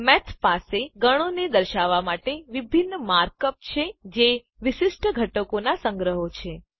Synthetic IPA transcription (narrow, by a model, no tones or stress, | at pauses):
mɛt̪ʰpaseɡəɽ̃oned̪əɾʃaʋamaʈeʋibʱinːəmaɾkəp̚t͡ʃʰed͡ʒe | ʋɪʃɪʃʈʰəɡʱəʈəkonasə̃ŋɡɾəɦot͡ʃʰe